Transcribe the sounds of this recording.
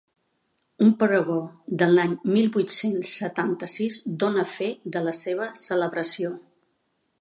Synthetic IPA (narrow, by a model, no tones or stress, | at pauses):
umpəɾəɣoðəlaɲmilˠbujt̪sensːət̪ant̪əsizd̪onəfed̪ələseβ̞əsələβɾəsio